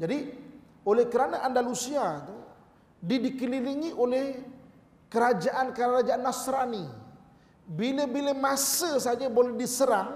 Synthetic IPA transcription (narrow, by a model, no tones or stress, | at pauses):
d͡ʒadi | olɛhkəɾanaʔandalusiat̪u | didikəliliŋiʔolɛh | kəɾad͡ʒaʔankaaɾad͡ʒaanːasɾani | bilebilemasəsad͡ʒabolɛhdisəɾaŋ